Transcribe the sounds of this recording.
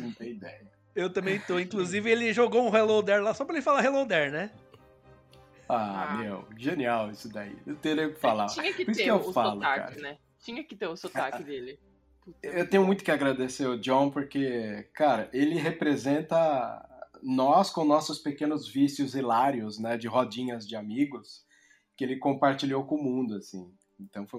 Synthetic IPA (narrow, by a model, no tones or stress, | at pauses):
nɐ̃w̃t̪ẽj̃id̪ɛjɐ | ewt̪ɐ̃mbẽj̃t̪oĩŋkluzivɪelɪʒoɡoũɦelõwd̪ɛɾlasɔpɾɐelɪfalaɦelõd̪ɛɾnɛ | amewʒeniawisʊd̪aḭewt̪eɾejʊkɪ̥falaɲɐpɾiskɪewfalʊkaka̰ɾɐnɛ | t͡ʃĩɲɐkɪt̪eʊsotakɪd̪elɪ | put̪ewt̪ẽɲʊmũj̃t̪ʊ̥kɪaɡɾad̪eseɾʊd͡ʒõw̃poɾkekaɾɐʔelɪɦepɾezẽnt̪ɐ | nɔskõnɔsʊspekẽnʊzvisjʊzelaɾjʊznɛd͡ʒɪɦod͡ʒĩɲɐzd͡ʒɪamiɡʊs | kɪelɪkõpaɾt͡ʃiʎowkõmũd̪ʊasḭ̃ | ẽnt̪ɐ̃w̃foj̃